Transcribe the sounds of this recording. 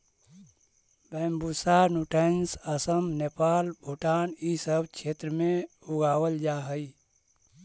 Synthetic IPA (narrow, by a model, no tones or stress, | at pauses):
bɛːmbusanuʈensəsəmnepaːlbʱuʈaːnisəbt͡ʃʰeːt̪ɾəmẽ | uɡaːwəld͡ʒaɦəi